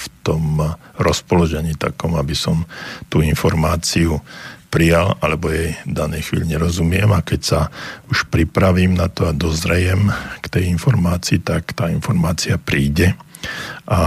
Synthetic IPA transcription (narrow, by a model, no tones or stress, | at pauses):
ft̪ɔmɾɔspɔluʒɛɲiːt̪a̰kɔmabisɔmt̪uinfɔɾmaːt͡siupɾijalalɛbɔjɛjvd̪anɛjxʋḭːʎiɲɛɾɔzumɪɛmakɛcsauʃpɾipɾaʋiːmnat̪ɔad̪ɔzɾɛjɛmkt̪ɛjinfɔɾmaːt͡siːt̪akt̪aːinfɔɾmaːt͡siapɾiːɟɛ | ʔa